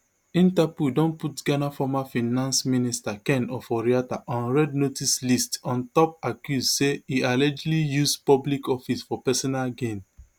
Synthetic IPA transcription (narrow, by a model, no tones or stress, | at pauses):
ĩntapudɔ̃nputɡanafɔmafĩnãnsministakɛ̃nɔfɔɹiataʔãnɹɛdnotislistɔ̃ntɔpakjusseialɛd͡ʒlijuspɔblikɔfisfɔpɛsɔnalɡẽn